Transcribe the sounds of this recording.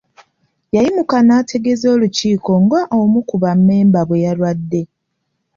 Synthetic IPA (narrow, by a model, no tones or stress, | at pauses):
jajimukanaːtʰe̞ɡe̞zo̞ːluciːko̞ŋɡaʔomukuβamːe̞ːmbaβwe̞jalwadːe̞